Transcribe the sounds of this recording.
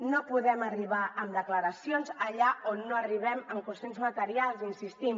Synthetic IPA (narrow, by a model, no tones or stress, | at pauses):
nopuðɛməriβaʔəmd̪əkləɾəsijonzəʎaonːoəriβ̞ɛməmkunsenzmət̪əɾialˠzinsist̪im